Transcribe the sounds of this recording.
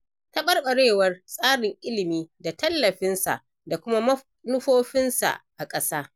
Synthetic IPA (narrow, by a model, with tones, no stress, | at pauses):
tɐ˦ɓɐ˦rɓɐ˨ɽeː˦˨wɐ˦rsʼaː˦ɽɪ˨ŋʔɪ˦lɪ˨miː˦da˨tɐ˦lːɐ˨ɸɪ˦nsa̰˨ʔ | da˨kʷʊ˦ma˦ | nʊ˦ɸoː˦ɸɪ˦nsa̰˨ʔa˨kʼɐ˦saː˦